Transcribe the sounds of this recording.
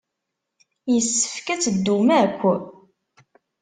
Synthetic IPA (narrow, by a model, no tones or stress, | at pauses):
jəsːə̥fkæt͡sːəd̪ːumækʷːə